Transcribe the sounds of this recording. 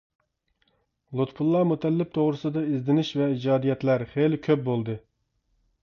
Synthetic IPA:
lˠut̪pʰulˠːɑmut̪ʰɛlːɪp̚t̪ʰoʁɾɨsɨd̪ɑizd̪ɪnɪʃvɛid͡ʒɑːd̪ijɛt̪læɾχelɪkʲʰøp̚bolˠd̪ɨ

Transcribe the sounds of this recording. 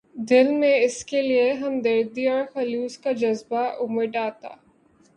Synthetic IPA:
d̪ɪlmẽɪskelieɦɐmd̪əɾd̪iɔːɾxɐluːskad͡ʒɐzbaʔʊmɪʈaːt̪a̰ː

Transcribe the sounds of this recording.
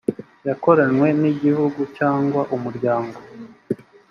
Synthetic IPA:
jako̞ɾanwe̞niɟihuɡucaːŋɡwaʔumuɾɟaːŋɡo̞

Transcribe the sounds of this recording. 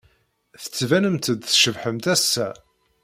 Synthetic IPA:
θə̥t͡sːvænəmt̪əd̪θʃəvħəmt̪æsːæ

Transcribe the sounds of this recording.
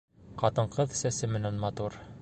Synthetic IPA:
qɑt̪ɤ̆ɴqɤðsæsɘmɘ̆nænmɑt̪uɾ

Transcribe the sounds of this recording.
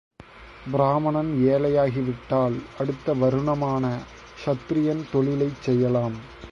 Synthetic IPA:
bɪɾaːmɐɳɐneːlɐjaːɣɪʋɪʈːaːlɐɽɯt̪ːɐʋɐɾɯɳɐmaːnɐ | ʂɐt̪ːɾɪjɐnt̪ɔɭɪlɐɪt͡ʃsɛjːɐlaːm

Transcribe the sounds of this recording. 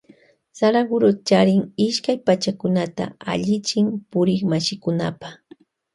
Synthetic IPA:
saɾaɡʊɾott͡ʃaɾɪŋɪʃkajpat͡ʃakʊnat̪a̰a̰ʎɪt͡ʃɪmpʊɾɪkmaʃɪkʊna̰paχ

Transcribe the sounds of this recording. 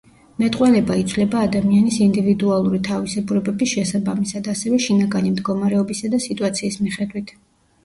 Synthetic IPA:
mɛt̪ʼqʼwalɛbait̪sʰlɛbaːd̪amianisind̪ivid̪ualˠuɾit̪ʰavisɛbuɾɛbɛbisʃɛsabamisad̪asɛvɛʃinaɡanimd̪ɡɔmaɾɛɔbisad̪asit̪ʼuat̪sʰiːsmiχɛd̪wit̪ʰ

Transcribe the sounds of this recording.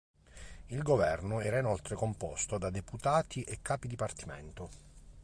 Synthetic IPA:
ilɡovɛrnoɛːɾainolt̪ɾekompɔst̪od̪ad̪eput̪aːt̪iʔekːaːpid̪ipart̪imɛ̰nt̪o

